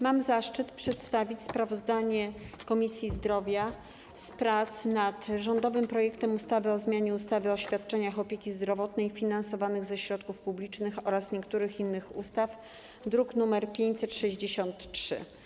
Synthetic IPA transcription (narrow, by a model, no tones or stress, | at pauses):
mamzaʂt͡ʂɘt̪pʂɛt̪st̪avʲit͡ɕspɾavɔzd̪aɲɛkɔmʲisʲjizd̪ɾɔvʲja | spɾat̪snat̪ʐɔnd̪ɔvɘmpɾɔjɛkt̪ɛmust̪avɘɔzmʲjaɲɛust̪avɘɔɕfʲjat̪̚t͡ʂɛɲaxɔpʲjekʲizd̪ɾɔvɔt̪nɛjfʲinansɔvanɘɣzɛɕɾɔt̪kufpublʲit͡ʂnɘxɔɾasɲɛkt̪uɾɘxinːɘxṵst̪af | d̪ɾuknumɛɾpʲjeɲt͡ɕʲsɛt̪ʂɛʑd͡ʑeɕɔnt̪t͡ʂʂɘ̰